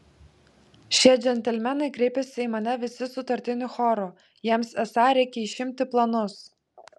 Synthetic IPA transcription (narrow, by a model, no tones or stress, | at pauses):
ʃʲiɛd͡ʒʲɛnʲt̪ʲɛlʲmʲɛnɐɪkɾʲɛɪpʲɛsʲɪimɐnʲɛʋʲɪsʲɪsʊt̪ɐɾʲt̪ʲɪnʲʊxɔɾu | jiɛmsɛsɑɾʲɛɪkʲɛiʃʲɪmʲt̪ʲɪplˠɐnʊs